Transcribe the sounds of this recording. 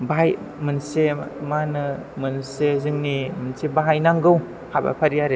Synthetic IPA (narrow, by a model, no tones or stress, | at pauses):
baɦaj | mɯnsemanɯmɯnsezɯŋnimɯnsebaɦajnaŋɡɯw | haba̰pʰaɾijaɾe